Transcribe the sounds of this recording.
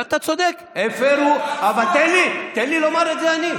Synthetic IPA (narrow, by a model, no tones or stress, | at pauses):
at̪at͡sod̪ek | efeɾuavalt̪elit̪elilomaɾezeani